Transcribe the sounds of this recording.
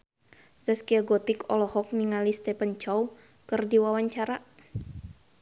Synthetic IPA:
səskiaɡɔt̪ikɔlɔhɔk̚niŋalist̪ɛpənt͡ʃɔw | kərdiwawaɲt͡ʃaɾa

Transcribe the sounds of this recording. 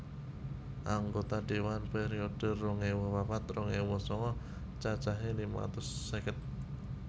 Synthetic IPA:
ʔaŋɡot̪aɖewanpeɾioɖ̥ərːɔŋewɔwapat̪rɔŋewɔsɔŋɔ | t͡ʃat͡ʃaɦelima̰t̪ʊsːəkət̪̚

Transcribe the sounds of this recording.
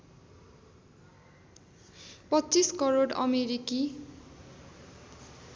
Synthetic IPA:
pʌt͡siskʌɾoɖʌ̰meɾiki

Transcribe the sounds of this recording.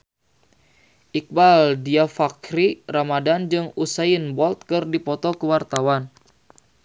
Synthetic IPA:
ʔik̚baldiafakɾiramadand͡ʒɨŋusainbɔlt̪̚kɨrdipɔt̪ɔkəwart̪awan

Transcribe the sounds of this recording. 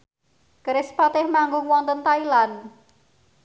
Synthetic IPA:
kəɾɪspat̪ɪhmaŋɡʊŋwɔŋnt̪ənt̪ailan

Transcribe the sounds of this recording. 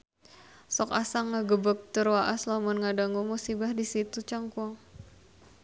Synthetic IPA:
sɔka̰saŋːaɡəbək̚t̪ərwaʔaslamɔnŋadaŋumusibahdisit̪ut͡ʃaŋkuaŋ

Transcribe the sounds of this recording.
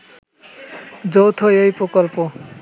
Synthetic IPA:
d͡ʑowt̪ʰojejpɾokɔlpo

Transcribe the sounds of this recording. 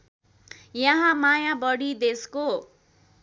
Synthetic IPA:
jʌɦãmajabʌɽid̪esko

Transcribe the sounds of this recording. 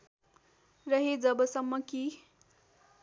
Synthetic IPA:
rʌɦed͡zʌbʌsʌmːʌki

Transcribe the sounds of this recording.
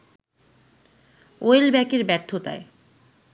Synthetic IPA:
oelbɛkeɾbɛɾt̪ʰːot̪a̰e

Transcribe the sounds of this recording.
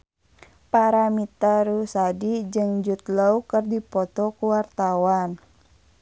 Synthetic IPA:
paɾamit̪aɾusadid͡ʒɨŋd͡ʒut̪laukərdipɔt̪ɔkuwart̪awan

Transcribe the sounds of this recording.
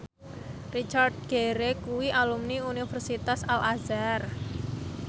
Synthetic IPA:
rit͡ʃard̪̚ɡ̥eɾekuwiʔalumniunifərsit̪asalʔazar

